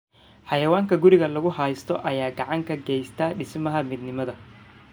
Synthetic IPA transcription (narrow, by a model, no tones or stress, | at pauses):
ħɑjɐwaːŋkʰɐɡʊɾɪɣɐlɐɣʊhɑjst̪ʰɔʔɐjaːɡɑʕɑŋkʰɐɡɛːjst̪ʰaːɖɪsmɐɦɐmɪd̪nɪmɐðɐ